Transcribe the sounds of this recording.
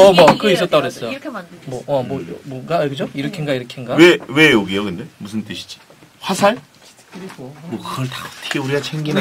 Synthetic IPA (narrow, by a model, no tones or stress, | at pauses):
ʌmʌkɯis͈ʌt͈aɡoɦes͈ʌjomʌʔʌmwomʌɡakɯd͡ʑoiɾʌkʰinɡaiɾʌkʰinɡaewe̞joɡijokɯndemusʰɯnt͈ɯɕʰi̥d͡ʑi̥ɸwasʰaɭ | mʌkɯɡʌɭtaʌ̥tʰɯ̥ɡʰeuɾiɡat͡ɕʰeŋɡin